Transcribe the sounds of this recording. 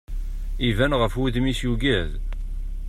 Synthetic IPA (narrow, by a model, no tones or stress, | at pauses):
ivænʁəfwuðmisjuɡæð